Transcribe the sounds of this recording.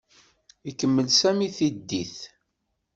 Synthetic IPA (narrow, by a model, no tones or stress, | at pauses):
ikːəmːəlsæmiθid̪ːiθ